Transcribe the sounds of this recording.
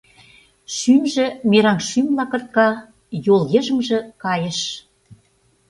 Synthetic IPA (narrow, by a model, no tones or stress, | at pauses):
ʃymʒĕmeɾɑnʃymlɑkɤ̆rt̪̚kɑ | jolɣĕʒə̆mʒĕkɑjə̆ʃ